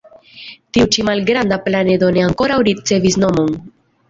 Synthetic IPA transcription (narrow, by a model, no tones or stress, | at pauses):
tiut͡ʃimalɡɾand̪aplane̞d̪o̞ne̞aŋko̞ɾawɾit͡se̞visno̞mo̞n